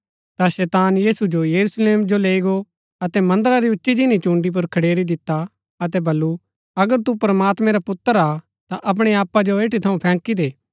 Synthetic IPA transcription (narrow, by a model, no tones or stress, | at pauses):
t̪aʃɛːt̪aːnjiːsud͡ʒojɐɾusleːmd͡ʒoleːiɡo | ɐt̪ɛmɐ̃nd̪əɾaɾiʊtːʃid͡ʒinit͡ʃũːɳɖip̬ʊɾkʰɐɽeːɾid̪ɪt̪ːa | ɐt̪̬ɛbɐlːu | ɐɡəɾt̪upɾɐmaːt̪mɛ̃ɾapʊt̪ːəɾa | t̪aʔɐp̬ɽ̃eaːpad͡ʒoeːʈit̪ʰɐũpʰɛ̃ːkid̪eː